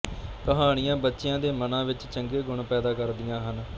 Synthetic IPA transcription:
kəɦaːɽ̃ɪjãːbətːʃɪjãːd̪eːmənãːʋɪt͡ʃt͡ʃəŋɡeːɡʊɳpɛːd̪aːkəɾd̪ɪjãːɦən

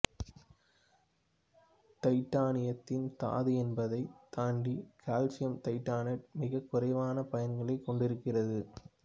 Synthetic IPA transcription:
t̪ɐɪʈːaːnɪjɐt̪ːɪnt̪a̰ːðɯɛnbɐðɐɪt̪aːɳɖikʰaːlsɪjɐmt̪ɐɪʈːaːnɐʈ̚mɪɣɐkːʊrɐɪʋaːnɐpɐjɐnɡɐɭɐɪkːɔɳɖɪɾɯkːɪrɐðɯ

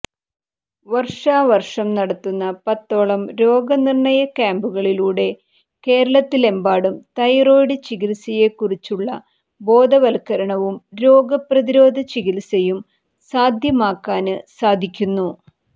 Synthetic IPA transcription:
ʋɐrʂaːʋɐrʂɐmnɐɽɐt̪ːunːɐpɐt̪ːo̞ːɭɐmɾo̞ːɡɐnirɳɐjɐkaːmbuɣɐɭiluːɽe̞ | ke̞ːɾɐɭɐt̪ːile̞mbaːɽumt̪ɐjro̞ːjɽɨt͡ɕiɣilsɐje̞kːurit͡ɕːuɭːɐ | bo̞ːd̪ɐʋɐlkːɐɾɐɳɐʋumɾo̞ːɡɐprɐðiɾo̞ːd̪ʱɐt͡ɕiɣilsɐjum | saːd̪ʱjɐmaːkːaːnɨsaːd̪ʱikʲːunːu

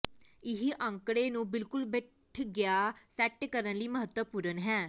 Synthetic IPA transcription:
ɪɦiʔə̃ŋkɽeːnũːbɪlkʊlbɛ | ʈʰɡɪaːsɛːʈkəɾənliːməɦət̪wəpuːɾənɦɛː

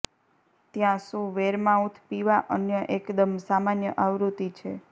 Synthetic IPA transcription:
t̪jãsũʋeɾmãut̪ʰpiʋaʔənjəʔekd̪əmsamanjəʔaʋɾut̪it͡ʃʰe

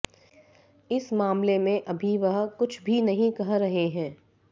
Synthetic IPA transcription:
ɪsmaːmlemẽʔɐbʱiʋɐɦkʊt͡ʃʰbʱinɐɦĩkɐɦɾɐɦeɦɛ̃ː

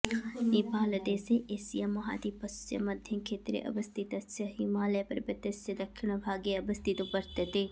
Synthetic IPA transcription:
nipaːlɐd̪eːseʔeːsijamːɐɦa̰ːd̪ipɐssɐ̰mɐd̪ʱjɐnkʰeːt̪ɾḛʔɐ̰bɐst̪it̪ɐsɐɦimaːlepɐɾbɐt̪ɐsjɐd̪ɐkʰʃɪɳ̃ɐbʱaːɡeɐbɐst̪it̪upɐɾt̪et̪e

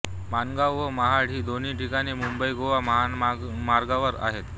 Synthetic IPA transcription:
manɡawʋəməɦaɽ̤iːd̪ʱoniːʈʰikaɽ̃iːmumbəjɡoʋaməɦa | maɾɡaʋəɾa̰ɦet̪

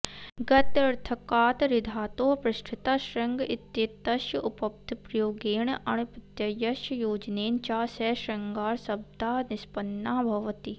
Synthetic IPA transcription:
ɡɐt̪ɐɾt̪ʰɐkaːt̪ɾɪd̪ʱaːt̪oːpɾɪʃʈʰɪt̪aːʃɾɐŋɡɪt̪jet̪ːɐʃjəʔʊpɐp̚t̪pɾɐjoːɡeːɳʔɐɽ̃pɪt̪jɐjɐʃjjoːd͡ʒneːnt͡ʃaːsɛʃɾɐŋɡaːɾsɐb̚d̪ʱaːnɪspɐnːaːbʱɐʋɐt̪i

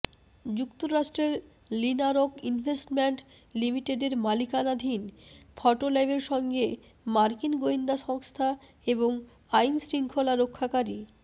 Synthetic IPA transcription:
d͡ʑukt̪oɾaʃʈɾeɾ | linaɾokinvʱesʈmeɳʈ | limiʈeɖeɾmalikanad̪ʱinfʰɔʈolajbeɾʃɔŋɡe | maɾkinɡoind̪aʃɔŋst̪ʰaeboŋ | ajnsɾiŋkʰolaɾokʰːakaɾi

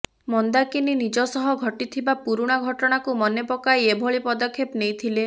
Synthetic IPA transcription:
mɔnd̪akininid͡ʒɔsɔɦɔɡʱɔʈit̪ʰibapuɾuɽ̃aɡʱɔʈɔɽ̃akumɔnepɔkajebʱɔɭipɔd̪ɔkʰːepnejt̪ʰile

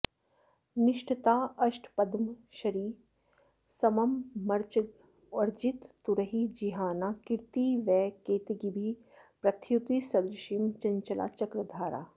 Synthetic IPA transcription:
nɪʃʈət̪aːɐʃʈʰpɐd̪mʃɐɾiː | sɐmɐmːɐɾt͡ʃɐɡ | ɐɾd͡ʒit̪ːuɾɐɦiːd͡ʒiɦaːnaːkɪɾt̪iːʋɛːkeːt̪iɡibʱi | pɾɐt̪ʰjut̪isɐd̪ɾʃimt͡ʃɐɲt͡ʃɐla̰ːt͡ʃɐkɾɐd̪ʱaːɾa̰ː

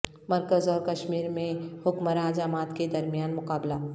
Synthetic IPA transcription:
mɐɾkəzɔːɾkɐʃmiːɾmẽhʊkmɾaːd͡ʒaːmaːt̪ked̪ɐɾmjaːnmʊkaːblaː

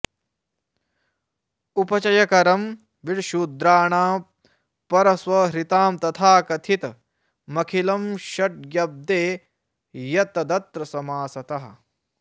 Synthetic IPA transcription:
upɐt͡ʃɐjɐkɐɾɐm | ʋiɽʃuːd̪ɾaːɳaː | pɐɾɐsʋɐɦɾit̪aːmt̪ɐt̪ʰaːkɐt̪ʰit̪ | mɐkʰilɐmʃɐʈ̚ɡjɐb̚d̪eː | jɐt̪ɐd̪ɐt̪ɾɐsɐmaːsɐt̪ɐɦɐ̆

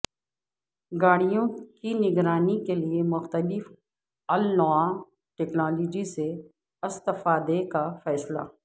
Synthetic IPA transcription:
ɡaːɽijõkinɪɡɾaːnikeliemʊxt̪əlɪf | ɐlnaːm | ʈeːknaːloːd͡ʒise | ɪst̪ɪfaːd̪ekafɛːsla̰

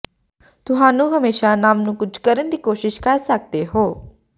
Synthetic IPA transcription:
t̪ʊɦaːnũːɦəmeːʃanaːmnũːkʊd͡ʒʰkəɾənd̪iːkoːʃɪʃkəɾsək̚d̪eːɦoː

